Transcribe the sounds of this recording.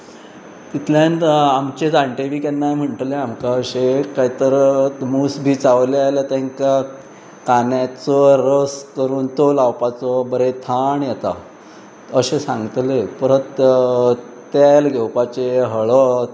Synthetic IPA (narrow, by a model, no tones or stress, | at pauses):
t̪it̪ʰljanamt͡ɕed͡zãɳʈeʋiːkanːajm̤əɳʈ̪leamkaəɕekaɦit̪əɾəmusbʱiːt͡saʋlealat̪aŋka | kanjat͡sɔɾəskəɾuːnt̪olawpat͡sɔbəɾet̪ʰaɳjet̪a̰ | əɕesãŋɡt̪lepəɾət̪ | t̪jalɡʱewpat͡ɕeɦəɭɔ